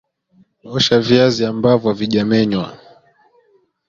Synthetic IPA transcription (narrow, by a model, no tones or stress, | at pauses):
ɔʃaviaziambavjaviʄamɛɲwa̰